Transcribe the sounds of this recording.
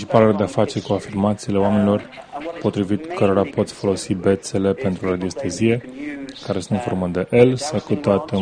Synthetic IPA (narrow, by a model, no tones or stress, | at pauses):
t͡ʃipaleld̪e̞afat͡ʃe̞rkuafirmat̪sile̞oame̞nilo̞rpo̞t̪ɾivit̪kʰəɾo̞ɾapo̞t̪sʲfo̞lo̞sibe̞t̪se̞le̞pe̞nt̪ɾurad̪io̞st̪ezije̞kaɾesunt̪info̞rməd̪e̞ʔelsəkut̪at̪